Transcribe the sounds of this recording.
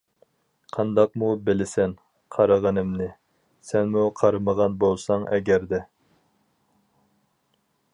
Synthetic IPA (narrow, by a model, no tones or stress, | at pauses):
qʰɑnd̪ɑq̚mubɪlɪsɛn | qʰɑɾəʁənɨmnɪ | sɛnmuqʰɑɾɨməʁɑnbolˠsɑŋɛɡʲæɾd̪ɛ